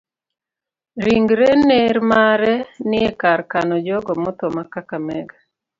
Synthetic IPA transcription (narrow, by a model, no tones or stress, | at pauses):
ɾiŋɡɾeneɾmaɾɛnɪɛkaɾkanɔd͡ʒɔɡɔmʊt̪ɔmakakamɛɡa